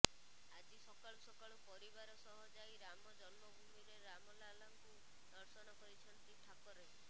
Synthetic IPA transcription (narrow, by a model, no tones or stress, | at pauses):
ad͡ʒisɔkaɭɔsɔkaɭɔpɔɾibaɾɔsɔɦɔd͡ʒajɾamɔd͡ʒɔnmɔbʱumiɾeɾamɔlalaŋku | d̪ɔɾsɔnɔkɔɾit͡ʃʰɔnt̪ɾiʈʰakɔɾ